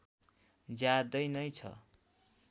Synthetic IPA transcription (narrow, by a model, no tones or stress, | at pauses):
d͡zjad̪ʌjnʌjt͡sʰʌ̰